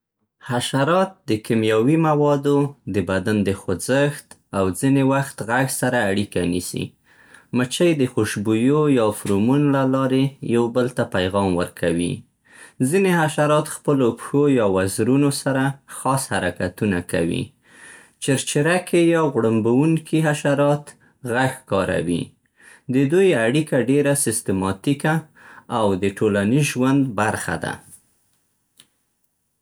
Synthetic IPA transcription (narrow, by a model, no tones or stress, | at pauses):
haʃaɾɑt̪̚d̪əkɪmjawimawɑd̪od̪əbad̪and̪əxʊzəxt̪ | awzinewaxt̪ɣaɡsaɾaːɽikanisḭ | mət͡ʃəjd̪əxoʃbujojɑfɾomunlalɑɾejawbəlt̪apajɣɑmwə̰ɾkʰawḭ | zinehaʃaɾɑt̪xpəlopxojɑwazɾunosaɾaxɑshaɾakat̪unaka̰wḭ | t͡ʃɪɾt͡ʃɪɾakʰejɑɣɽambawuŋkʰiɦaʃaɾɑt̪ | ɣaxkɑɾa̰wḭ | d̪əd̪ujaɽikaɖeɾasɪst̪ɪmɑt̪ikaː | wd̪əʈolaniʒwand̪baɾxa̰d̪a̰